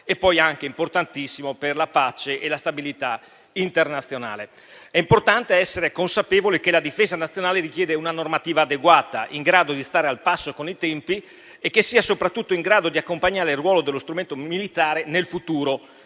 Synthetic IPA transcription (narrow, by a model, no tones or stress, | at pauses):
epːɔjaŋkeimport̪ant̪isːimoperlapat͡ʃeʔelast̪abilit̪a | int̪ernat̪sːjona̰ːle | ɛimport̪ant̪eɛsːeɾekonsapeːvolekelad̪ifeːzanat̪sːjonaːleɾik̟jɛːd̪eunanormat̪iːvaːd̪eɡwaːt̪a̰ʔiŋɡɾaːd̪od̪ist̪aːɾealpasːokonit̪ɛmpi | ekːesːiːasopɾat̪ːut̪ːoiŋɡɾaːd̪od̪iakːompaɲːaːɾeilrːwɔːlod̪elːost̪ɾument̪omilit̪aːɾenelfut̪uːɾo